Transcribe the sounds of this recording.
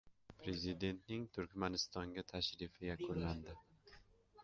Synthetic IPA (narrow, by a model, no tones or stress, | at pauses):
pʰɾe̞zɪd̪e̞nt̪nɪŋt̪ʰʊɾkʲmanɪst̪ɒŋɡʲat̪ʰaʃɾɪfɪjakʰʊnlːand̪ɪ